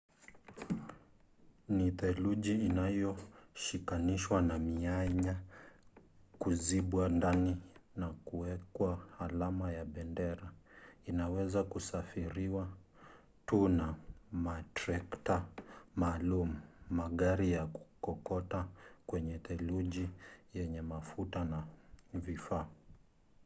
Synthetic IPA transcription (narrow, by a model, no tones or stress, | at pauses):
niθɛluʄiːnajɔʃikaniʃwanamiaɲa | kuziɓwandaninakuwɛkwahalamajaɓɛndɛɾainawɛzakusafiɾiwa | tunamatɾɛktamaːlumumaɠaɾijaku̥kɔkɔtakwɛɲɛtɛluʄijɛɲɛmafutanavifaː